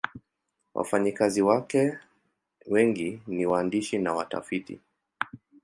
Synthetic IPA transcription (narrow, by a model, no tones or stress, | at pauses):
wʔa̰faɲikaziwakɛ | wɛŋɡiniwaːndiʃinawata̰fitḭ